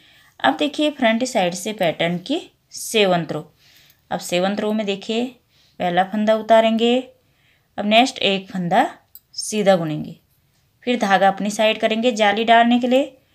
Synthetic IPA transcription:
ɐ̰bd̪eːkʰiepʰɾə̃ɳʈisaːɪɖsepɛːʈəɾnki | seːʋə̃nt̪ɾoː | ɐ̰bseːʋə̃nt̪ɾõmẽd̪eːkʰie | pɛːlapʰə̃nd̪aʊt̪aːɾẽːŋɡe | ɐbneːsʈeːk̚pʰə̃nd̪ʱa | siːd̪ʱaɡʊnẽːŋɡeː | pʰɪɾd̪ʱaːɡaɐpnisaːɪɖkəɾẽːŋɡed͡ʒaːliɖaːlnekelie

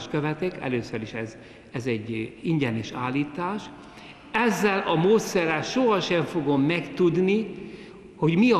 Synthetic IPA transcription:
ʃkøvɛt̪ɛkɛ̰løːsøɾiʃɛz | ɛzɛɟːiɲɟɛniʃaːlːiːt̪aːʃ | ɛzːɛlɒmoːt̪sɛɾɛlʃoɦɒʃɛɱfo̞ɡo̞mːɛkt̪ud̪ni | ho̞ɟmiɒ

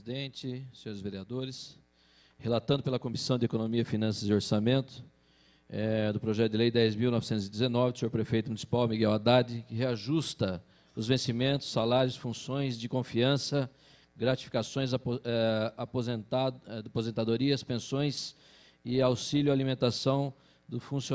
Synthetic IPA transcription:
zid̪ẽnt͡ʃɪsẽɲoɾɪzveɾiad̪oɾɪs | helat̪ɐ̃d̪ʊpelɐkõmisɐ̃w̃d̪ɪekonõmiɐɪfinɐ̃sɐzɪoɾsamẽnt̪ʊ̥ | ɛd̪ʊpɾoʒɛt̪ʊd̪ɪljd̪ɛjzmiwnɔvɪsẽnt̪ʊzɪd̪ɪzenɔvɪseoɾpɾefejt̪ʊmunisi̥pawmiɡɛwad̪ad̪ɪkɪɦeaʒust̪ɐ | ʊzvẽsimẽnt̪ʊ̥sːalaɾjʊsfũsõj̃zd͡ʒɪkõfiɐ̃sɐ | ɡɾat͡ʃi̥fi̥kasõj̃zɛapozẽt̪aapozẽnt̪ad̪oɾiɐspẽsõj̃s | ɪawsilʊalimẽnt̪asɐ̃w̃ | d̪ʊfũs

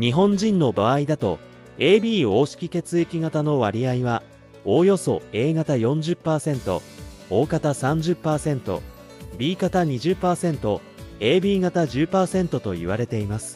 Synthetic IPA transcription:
ɲ̟iɦõ̞ɲ̟d͡ʑĩnːo̞baaid̪at̪o̞̰ | e̞ːbʲiːo̞ːɕi̥kʲike̞t͡sɨekʲiɡat̪ano̞βaɾʲiaiβa | ojo̞so̞e̞ːɡat̪ajõ̞ɲ̟d͡ʑɨpːaːsẽ̞nt̪o̞̰ | oːkat̪asãɲ̟d͡ʑɨpːaːsẽ̞nt̪o̞̰ | bʲiːkat̪aɲ̟iʑɨpːaːsẽ̞nt̪o̞ | e̞ːbʲiːɡat̪aʑɨːpaːsẽ̞nt̪o̞t̪o̞ḭβaɾe̞t̪e̞imasɨ̥

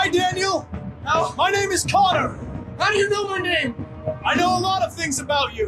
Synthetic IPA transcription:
aɪdæ̃njl̩ˠaʊmaɪnẽɪ̃mɨz̥kʰɑɾə˞haʊɾɨjɨnoʊmaɪnẽɪ̃m | aɪnoʊəlɔɾʌv̥θɪ̃ŋzɨbaʊt͡ʃɨ

